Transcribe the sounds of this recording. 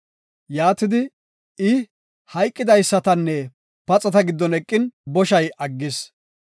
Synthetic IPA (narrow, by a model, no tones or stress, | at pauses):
jaːt̪ɪd̪ɪ | ɪ | hɐjkʼːɪd̪ɐjsːɐt̪ɐnːɛ | pɐt͡sʼɐt̪ɐɡɪd̪ːɔnɛkʼːɪnbɔʃɐjɐɡːɪs